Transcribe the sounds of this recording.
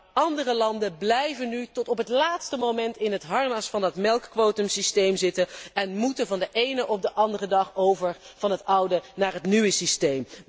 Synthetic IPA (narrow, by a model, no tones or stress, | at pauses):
ɑndərəlɑndəblɛjvənytɔtɔpɦətlaːtstəmowmɛntɪnɦətɦɑɹnɑsfɑnɑtmɛlˠkːʋowtəmsistejmzɪtənɛnmutənvɑndəʔejnəʔɔp̚dəʔɑndərədɑχowvəɹv̥ɑnɦətʌwdənaːɹɦətnyʋəsistejm